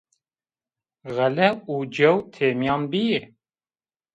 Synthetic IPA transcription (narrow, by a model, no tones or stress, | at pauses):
ɣɛlɛuːd͡ʒɛwt̪ʰeːmjɑːnbije